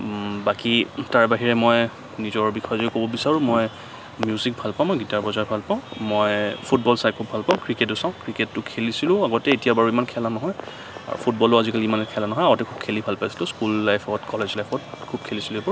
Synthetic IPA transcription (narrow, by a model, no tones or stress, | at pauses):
bakitaɹbaɦiɹɛmɔj | nizɔɹbixʰɔjɔzɔkobɔbisaɹʊ̃mɔj | mjuzik̚bʱalpaʊ̃mɔjɡitaɹbɔzaɹbʱalpaʊ̃mojpʰut̚bɔlsajkʰubʱalpaʊ̃kɹiket̬ːʊsãʊ̃kɹiketːʊkʰelisilʊ̃aɡɔtɛːtijabaɹuimankʰɛlanɔɦɔj | a̰ɹṵpʰut̚bɔlʊazikaliimankʰɛlanɔɦɔjaɡɔtɛkʰub̚kʰelibʱalpajsi̥lʊ̃skulːajpʰɔɔtkɔlezlajfʰɔt̚kʰub̚kʰelisiluɛpɔɹ